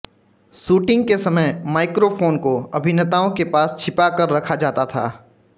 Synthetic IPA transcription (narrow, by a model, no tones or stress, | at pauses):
suːʈɪ̃ŋɡ̚kesɐməjmaːɪkɾopʰoːnkoɐbʱɪnət̪aːõkepaːst͡ʃʰɪpakəɾːɐkʰad͡ʒaːt̪at̪ʰa̰ː